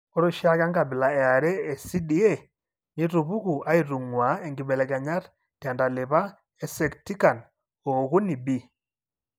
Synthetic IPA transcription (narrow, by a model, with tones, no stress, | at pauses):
ɔ˦ɾo˦ʃi˦a˦ka˦ŋɡa˨bi˨la˨ɛ˨a˨ɾɛː˦˨si˦di˨˦ɛ˦˨ | ɲi˦ɾu˨βu˦ku˨a˦i˦˨ɾu˨ŋwa˨˦e˨ŋɡi˨bɛ˨lɛ˨ɡa˨ɲa˦ɾ | d̥i˨a˨nda˨le˨βa˦ | ɛ˨sɛ˨kti˦ka˨n | o˨ɣu˦ni˨bi˦˨